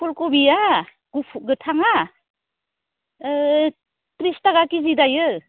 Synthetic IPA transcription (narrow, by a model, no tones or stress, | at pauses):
pɔlkɔbija | ɡ̥upʰɡɯtʰaŋa | tɾistaɡakizidajɯ